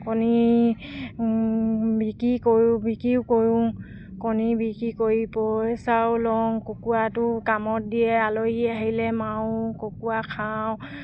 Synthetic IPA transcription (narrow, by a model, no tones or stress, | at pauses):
kɔni | bikikoɹbikiʊkoɹũŋ | kɔnibikikoɹipɔjsawlɔŋkokuatʊkamɔt̚dijɛaloɦiaɦilɛmawʊkokuakʰaw